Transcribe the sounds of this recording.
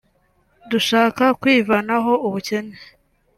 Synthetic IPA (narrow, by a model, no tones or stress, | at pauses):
duʃaːkakwiːvanaɦo̞uβuce̞ne